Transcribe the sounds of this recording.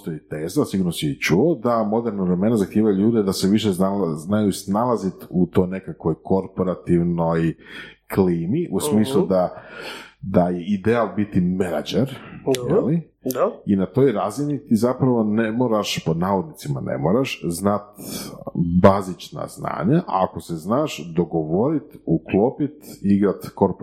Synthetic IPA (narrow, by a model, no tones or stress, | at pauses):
ost̪ojit̪eːzasiɡuɾnosit͡ʃuod̪amo̞d̪e̞ɾnaʋɾe̞me̞nazaxt̪iːʋajuʎuːd̪ed̪aseʋiʃezaznajusnalˠazit̪ut̪o̞jne̞kakʋo̞jko̞ɾpo̞ɾat̪iʋno̞jkliːmiʔusmiːslˠud̪a | d̪ajeid̪ealˠbit̪imenad͡ʒeɾjeli | inat̪o̞ːjɾaːzinit̪izapɾaʋo̞nemoːɾaʃpod̪naːʋod̪nit̪simanḛmoːɾaʃznat̪ | bazit͡ʃna̰zna̰ːɲaʔako̞seznaːʃd̪o̞ɡo̞ʋo̞ɾit̪uklo̞pit̪iɡɾat̪koɾp